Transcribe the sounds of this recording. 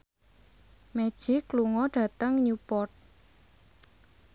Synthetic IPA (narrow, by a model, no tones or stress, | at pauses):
med̥ʒ̥ikluŋɔɖ̥ä̤t̪əŋɲupɔrt̪̚